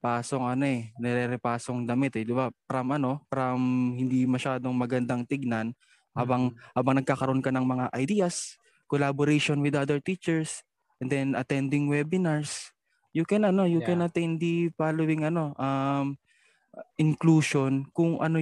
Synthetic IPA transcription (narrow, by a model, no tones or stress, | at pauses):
paːso̞ŋɐno̞ɛnɛɾɛɾɛpaːso̞ŋd̪ɐmɪt̪ɛd̪ɪbapɾamʔɐno̞pɾɐmhɪnd̪imɐʃaːd̪o̞ŋmɐɡɐnd̪aŋt̪ɪɡ̚nan | haːbɐŋhaːbɐŋnɐɡ̚kaːkɐɾoʔonkɐnɐŋmɐŋaʔɐjd̪iːɐs | kolaboɾejʃonwɪd̪ʔad̪ɛɹt̪it͡ʃɛɹs | ʔɛnd̪ɛnʔɐt̪ɛnd̪ɪŋwɛbɪnaɹs | jʊkɛnɐno̞jʊkɛnɐt̪ɛnd̪ipaːlowɪŋɐno̞ʔɐm | ʔɪŋkluːʃo̞nkʊŋʔɐ̰no